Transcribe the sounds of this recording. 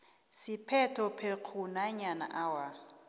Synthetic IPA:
sipʰɛtʰɔpʰeq͡χʰunaɲana̰ʔawa

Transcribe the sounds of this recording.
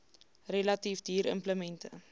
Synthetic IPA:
relɐtifdiːɾə̰mpləmɛntʰə̰

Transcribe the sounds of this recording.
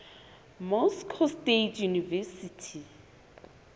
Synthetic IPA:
mɔskʰɔstetʰʼjunivɛsitʰi

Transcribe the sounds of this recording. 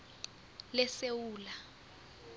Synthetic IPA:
lɛsewuːla

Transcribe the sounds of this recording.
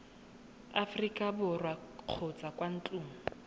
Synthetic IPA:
afrikʼabʊrwaq͡χʰot͡sʼakwan̩t͡ɬʼuːmʊ

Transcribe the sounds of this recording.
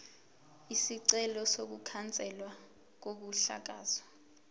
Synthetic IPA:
isiǀɛlɔsok̬ukʰant͡sʼɛlwa | k̬ok̬uɬa̰k̬a̰ːzɔ

